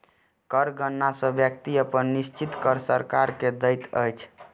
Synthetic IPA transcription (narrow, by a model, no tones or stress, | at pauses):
kəɾɡʱənːasə̃bjək̚t̪iəpənːist͡ʃit̪kəɾsəɾkaɾked̪əjt̪ə̰jt͡ʃʰ